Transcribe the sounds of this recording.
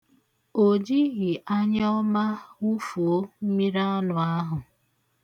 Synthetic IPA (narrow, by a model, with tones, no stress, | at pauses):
o˨d͡ʒi˦ɣɪ˨ʔa˦ɲ˦ɔ˦ma˦u˦fu˨o˦m̩˦mi˦ɾa˦nʊ˨a˦ɦʊ˨